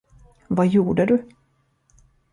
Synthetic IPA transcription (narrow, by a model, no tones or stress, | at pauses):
vajuːɖəd̪ɵ